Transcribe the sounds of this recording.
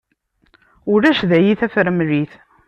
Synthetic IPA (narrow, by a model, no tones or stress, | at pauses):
ʊɾæʃðæjiθæfɾəmliθ